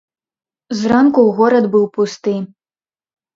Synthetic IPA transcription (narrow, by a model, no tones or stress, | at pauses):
zrankuwɣɔɾɐd̪bɨwpust̪ɨ